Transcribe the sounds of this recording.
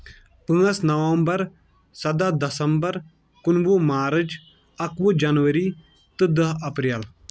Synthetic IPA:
pɨːɐsnɐʋɐmbɐɾ | sɐd̪ad̪ɐsɐmbɐɾ | kʊnʋomaːɾɨd͡ʒ | ɐkʋud͡ʒɐnʋəɾi | t̪ɨd̪əɦɐpɾjal

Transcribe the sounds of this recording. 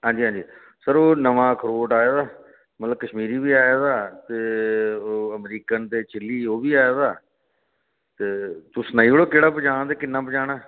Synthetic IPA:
ɦãːɲd͡ʒiːɦãːɲd͡ʒiː | səɾoːnəʋãːkʰɾoːʈaːjaːd̪aː | mət̪ləbkəʃmiːɾiːʋiːaːjaːd̪aːt̪eːoːəmɾiːkənt̪eːt͡ʃɪlːiːoːbiːaːjaːd̪aː | t̪eːt̪ʊsnaːiːoɽoːkeːɽaːpəd͡ʒãːd̪eːkɪnːãːpəd͡ʒaːɽaː

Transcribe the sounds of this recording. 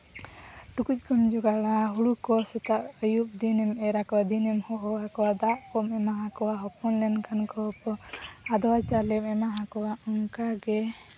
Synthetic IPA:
ʈukuc̚ˀkɔmd͡ʒuɡaɽaɦuɽukɔsɛt̪aʔəjup̚d̪inɛmɛɾakɔwad̪inɛmhɔɦɔakɔwad̪aʔpɔmɛmaɦakɔwaɦɔpɔnlɛnkankɔpɔad̪ɔwat͡ʃalɛmɛmaɦakɔwaɔŋkaɡɛ

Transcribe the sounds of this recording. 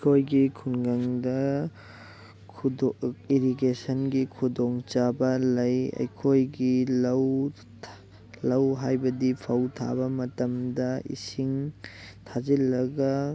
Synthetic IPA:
jkʰojɡikʰunɡɐŋdɐ | kʰdiɾiɡesɐnɡikʰudɔŋt͡ʃabɐlɐjɐ̰jkʰojɡilɐw | lɐwɦajbɐdipʰɐwtʰa̰bɐmɐtɐmdɐḭsiŋtʰazilːɐɡɐ

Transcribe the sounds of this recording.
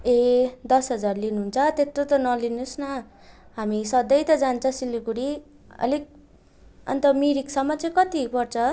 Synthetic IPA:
ed̪ʌsɦʌd͡zarlinuɦunt͡sʰʌt̪et̪ːot̪ʌnʌlinusnʌ | ɦamisʌd̪ʌjt̪ʌd͡zant͡sʰʌsilukuɽi | ʌ̰lik̚ | ʌ̰nt̪ʌmiɾiksʌmːʌt͡saj̃kʌt̪ipʌrt͡sʰʌ

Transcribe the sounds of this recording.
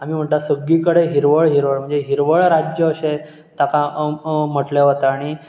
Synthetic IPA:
amiːm̤əɳʈt̪asəɡːiːkəɽeɦiɾʋəɭɦiɾʋəɭm̤əɳd͡zeɦiɾʋəɭɾad͡ʑjəːɕe | t̪akam̤əʈleɦot̪aaɽ̃i

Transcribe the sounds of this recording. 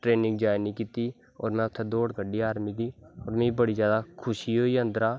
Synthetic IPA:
ʈɾeːnɪ̃ŋɡ̚d͡ʒaːɪniːkiːt̪iː | ɔ̰ːɾmɛ̃ːʊt̪ʰːeːd̪oːɽɡəɖiːaːɾmiːd̪iːɔːɾmĩːibəɽiːzjaːd̪aːkʰʊʃiːɦoːiːənd̪əɾaː

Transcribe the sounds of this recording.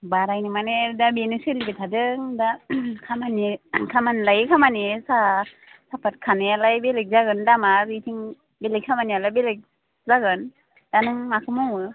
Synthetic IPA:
baɾajnɯmanedabenɯsɯlibetʰadɯŋdakʰamanikʰamanlajkʰamanesa | sapʰat̚kʰanɯjalajbelek̚zaɡɯndamaɾitʰiŋ | belekʰamanialajbelɯk̚ | zaɡɯn | d̥anɯŋmakʰɯmɔŋɯ

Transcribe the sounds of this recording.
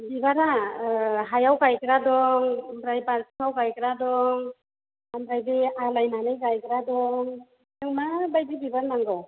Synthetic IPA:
bibaɾa | ɦajawkajkɾadɔŋmɾajbaɾsɯŋawkajkɾadɔŋ | amɾajdialajnanajkajkɾadɔŋ | nɯŋmabajdibibaɾnaŋɡɔ

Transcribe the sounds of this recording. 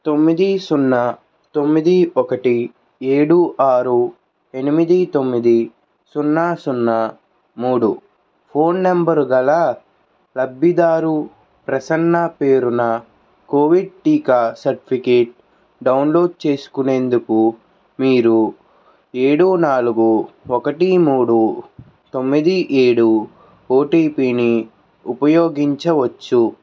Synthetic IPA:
t̪o̞mːid̪isunːɐ | t̪o̞mːid̪iɔkɐʈi | eːɽuʔaːɾu | e̞nimid̪it̪o̞mːid̪i | sunːaːsunːɐ | muːɽu | pʰo̞ːnːɐmbɐɾɡɐlaː | lɐbːid̪aːɾu | pɾɐsɐnːɐpe̞ːɾunɐ | koːʋiɖ̚ʈiːkaːsɐɾʈipʰikeːʈ̚ | ɖɐwnlo̞ːɖ̚t͡ʃe̞ːsu̥kune̞ːnd̪uku | miːɾu | eːɽunaːluɡuɔkɐʈimuːɽu | t̪o̞mːid̪iʔeːɽu | oːʈiːpiːni | upɐjoːɡiɲt͡ʃɐʋɐt͡ʃːu

